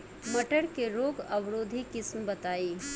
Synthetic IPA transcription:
mɐʈəɽkeɾoːɡɐʋɾoːd̪ʱikɪsmbɐt̪aːiː

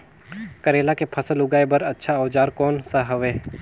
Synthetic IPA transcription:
kɐɾeːlakepʰɐsəlʊɡaːebɐɾɐtːʃʰaɐʋd͡ʒaːɾkoːnsaɦɐʋeː

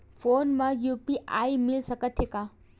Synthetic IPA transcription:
fʰonmajupiʔa̰jmilsəkət̪ʰeka

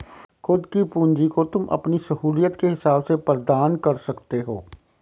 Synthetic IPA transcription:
xʊd̪kipũːɲd͡ʒikot̪ʊmʔɐ̰pnisɐɦuːljət̪keɦɪsaːbsepɾd̪aːnkɐɾsɐkt̪eɦoː

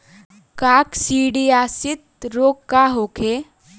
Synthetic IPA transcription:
kaːksiːɖiaːsɪt̪̚ɾoːkːaɦokʰe

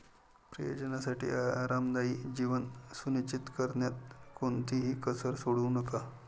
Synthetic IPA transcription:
pɾə̰jo̰d͡ʑənasaʈḭːaɾamd̪aiːd͡ʑiʋənsunit͡ɕit̪kəɾɳjat̪̚kont̪ʰiɦiːkəsəɾsoɽuːnəka

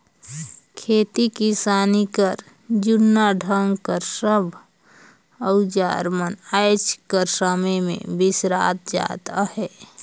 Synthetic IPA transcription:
kʰeːt̪ikisaːnikəɾ | d͡ʒʊnːaɖʱəŋɡkəɾsəbʱ | əʊd͡ʒa̰ːɾmənajt͡ʃkəɾsəməjmḛ̃bɪsɾa̰ːt̪̚d͡ʒa̰ːt̪ahɛː

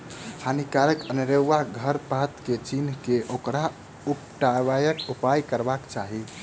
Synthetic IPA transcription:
hanikaɾəkənɾeːaɡʱəɾpat̪ket͡ʃinkeʔokɾa | upʈabajəkupajkəɾbakt͡ʃaɦi

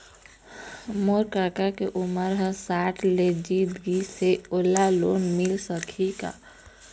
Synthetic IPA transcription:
moɾkakakeʔuməɾɦə̃saːʈʰled͡ʒid̪ɡiseolaloːnmɪlsəkʰika̰

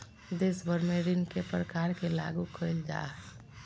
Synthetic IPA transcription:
d̪eːsbəɾmẽɾɪnkepɾəkaːɾkela̰ːɡukʰəild͡ʒa̰ːɦɛ

